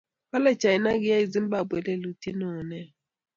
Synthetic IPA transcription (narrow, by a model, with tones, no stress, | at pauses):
ka˦lɛ˦t͡ʃʰa˨i˨na˦k̬i˦ja˦i˦˨zi˦mba˦˨bwɛ˨˦lɛ˦lu˨tʰi˦nɔː˨nɛ˨